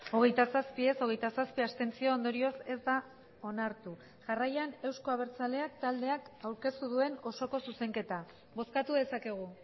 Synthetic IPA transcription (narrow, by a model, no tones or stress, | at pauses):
o̞ɣ̞e̞jt̪asaspie̞so̞ɣ̞e̞jt̪asaspiast̪e̞nt͡sio̞ond̪o̞ɾio̞se̞zd̪a | o̞naɾt̪u | ʝarajane̞wsko̞aβ̞e̞ɾt͡sale̞akt̪ald̪e̞akawɾke̞st̪uðue̞no̞so̞ko̞suse̞ŋke̞t̪a | βo̞skat̪uðe̞sake̞ɣ̞u